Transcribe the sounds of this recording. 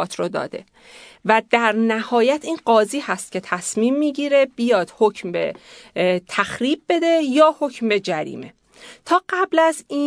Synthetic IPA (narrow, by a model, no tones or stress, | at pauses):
t̪ʰɾod̪ɒ̰ːd̪e̞̰ | væd̪̥æɾnæhɒːjæt̪ʰiːnɢɒːziːhæst̪̚cʲʰe̞t̪ʰæsmiːmːiːɟiːɾe̞b̥ijɒːd̪̥hocʰmbḛ | t̪ʰæxɾiːb̚ːe̞d̪e̞jɒːho̞cmbe̞d͡ʒæɾḭːme̞̰ | t̪ʰɒːɢæblæziː